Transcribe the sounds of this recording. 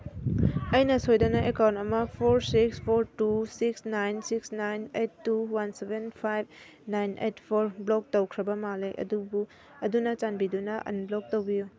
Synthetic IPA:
ɐjnɐsojdɐnɐʔekawntɐmɐpʰoɾsikspʰoɾtusiksnajnsiksnajnetːuwansebenpʰajb̚ | najnḛtpʰoɾblok̚tɐwkʰɾɐbɐmalejʔɐ̰dubu | ɐdunɐt͡ʃanbidunɐʔɐ̰nblok̚towbiju

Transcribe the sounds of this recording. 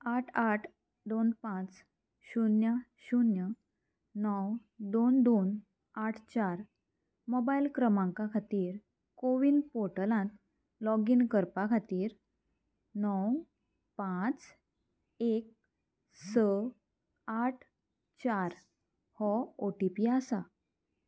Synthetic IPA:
aʈʰaʈʰ | d̪onpãt͡s | ɕunjəɕunjə | nɔw | d̪ond̪on | aʈʰt͡ɕaɾ | mɔbailkɾəmãŋkakʰat̪iːɾ | koʋinpɔɾʈəlãnt̪ | lɔɡinkəɾpakʰat̪iːɾ | nɔw | pãt͡s | ek̚ | sə | aʈʰ | t͡ɕaɾ | hɔoʈipiasa

